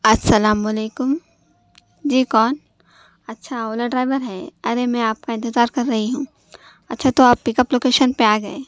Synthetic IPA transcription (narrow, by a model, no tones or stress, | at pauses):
ɐsɐlaːmɐleːkʊm | d͡ʒiːkɔːn | ɐtːʃʰaoːləɖɾaːɪʋəɾɦɛːɐɾemɛ̃aːp̚kaɪ̃nt̪ɪzaːɾkɐɾːɐɦiɦũː | ɐtːʃʰat̪oaːpːɪkəploːkeːʃənpeaːɡɐeː